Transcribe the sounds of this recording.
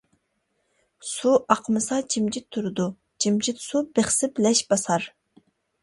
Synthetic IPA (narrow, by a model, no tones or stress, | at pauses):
suʔɑqʰəmɨsɑt͡ʃʰimd͡ʒit̪ʰːuɾɨd̪u | t͡ʃʰimd͡ʒit̪subeχsɪblɛʃbɑsɑɾ